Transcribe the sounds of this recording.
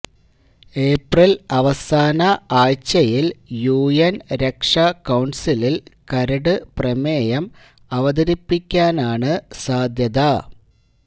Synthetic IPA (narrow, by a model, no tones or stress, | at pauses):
e̞ːprilɐʋɐsaːnɐaːjt͡ɕːɐjiljuːjenɾe̞kʂɐkɐwɳsililkɐɾɐɽɨprɐmeːjɐm | ɐʋɐd̪ɐɾipːikʲːaːnaːɳɨsaːd̪ʱjɐðɐ